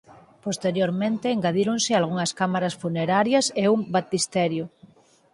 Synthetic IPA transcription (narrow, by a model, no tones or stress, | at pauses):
post̪eɾjoɾmẽnt̪eːŋɡaðiɾonsɪalɣ̞uŋɐskamaɾɐsfuneɾaɾjɐseumbat̪ist̪ɛɾjo